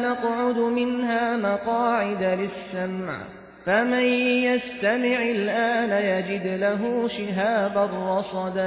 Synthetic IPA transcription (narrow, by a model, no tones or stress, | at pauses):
nɑqʕʊd̪mɪnɦaːmɑqɑːʕɪd̪alɪsːamʕ | famanjast̪amɪʕɪlʔaːnajad͡ʒɪd̪laɦuʃɪɦaːbarˤːɑsˤɑd̪